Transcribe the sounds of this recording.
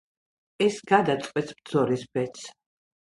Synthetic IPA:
ɛsɡ̥ad̪at̪sʼqʼwɛt̪sb̚d̪zɔɾisbɛt̪sʰ

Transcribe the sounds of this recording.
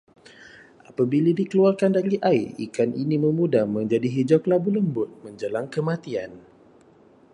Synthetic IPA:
ʔapabiladikəluarkandaɾiʔaiḭkanʔiniməmudamə̃ɲd͡ʒadiɦid͡ʒɔklabuləmbʊt̪̚məɲd͡ʒəlaŋkəmãt̪ian

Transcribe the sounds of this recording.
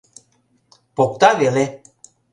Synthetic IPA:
pok̚t̪avele

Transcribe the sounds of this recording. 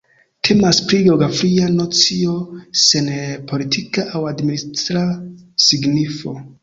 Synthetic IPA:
tʰe̞maspɾiɡewɡafɾiano̞t͡sio̞se̞npʰo̞litʰikaʔawadministɾasiɡnifo̞

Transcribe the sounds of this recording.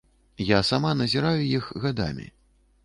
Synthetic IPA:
jasamanɐzʲiɾajujixɣad̪a̰mʲḭ

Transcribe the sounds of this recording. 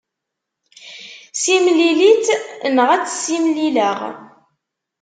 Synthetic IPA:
simlilit̪nəʁæt͡sːsimliləʁ

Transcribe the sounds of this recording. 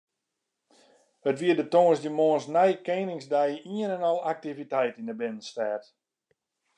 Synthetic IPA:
ətʋiədətoŋəsdəmoːnsnɛjkeːnɪŋsdajiənɛnɔlˠak̚tivitɛjtinəbɪnən̩stɛːt

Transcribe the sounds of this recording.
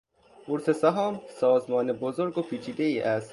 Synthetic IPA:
uɾsesæɦɒːmsɒːzmɒːnebozoɾɡopʰiːt͡ʃʰiːd̪eiːʔæs

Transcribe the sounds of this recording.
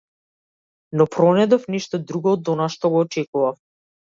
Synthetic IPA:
nɔpɾɔnɛd̪ɔfniʃt̪ɔd̪ɾuɡɔːd̪ɔnaʃt̪ɔɡɔːt͡ʃɛkuvaf

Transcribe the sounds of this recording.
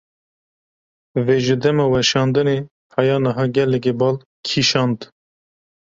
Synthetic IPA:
veːʒɨd̪ɛmɑwɛʃɑːnd̪ɨne | hʰɑjɑːnəɦɑːɡɛlɛk̬ebɑːl | kʰiʃɑːnd̪

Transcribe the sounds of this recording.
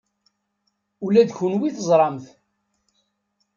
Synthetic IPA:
ulæd̪çunwiθəzˤɾˤɑmθ

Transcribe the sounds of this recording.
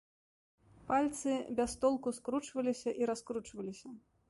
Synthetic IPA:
palʲt̪sɨbʲast̪ɔlˠkuskɾut͡ʂvɐlʲisʲɐʔiɾaskɾut͡ʂvɐlʲisʲɐ

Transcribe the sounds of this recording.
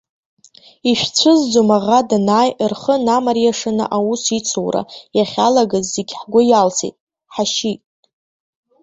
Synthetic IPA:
iʃᶣt͡sʷʰɨzd͡zomaʁadnaːjrχənamarjaʂɨnɨ̰ʔawusit͡sʰowɾa̰jaχʲalaɡazːeɡʲħɡʷʊjalt͡sʰḭtʼ | ħaʃitʼ

